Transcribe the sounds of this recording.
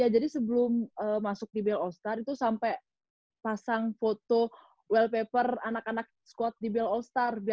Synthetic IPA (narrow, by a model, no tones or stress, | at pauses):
jad͡ʒadisəbəlʊməmasʊk̚dibɛlɔlst̪arit̪usampɛ | pasaŋfot̪o | wɛlpepəranakanak̚skɔt̪̚dibɛlɔlst̪arbi